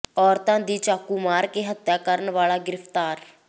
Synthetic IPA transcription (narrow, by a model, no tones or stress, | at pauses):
ɔːɾt̪ãːd̪iːt͡ʃaːkuːmaːɾkeːɦət̪jaːkəɾənʋaːlaːɡɪɾəft̪aːɾ